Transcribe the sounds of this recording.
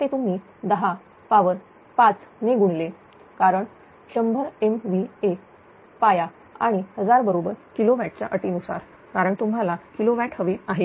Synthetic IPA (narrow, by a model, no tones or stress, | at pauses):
t̪et̪um̤iː | d̪əɦa | paʋəɾ | pat͡sneɡuɽle | kaɾəɳ | ɕəmbʱəɾemʋie | paja | aɽ̃ihəd͡zaɾbəɾobəɾkiloʋæʈ̚t͡ɕa̰ʔəʈiːnusa̰ɾ | kaɾəɳt̪um̤ɦalakiloʋæʈʰɦəʋeaɦe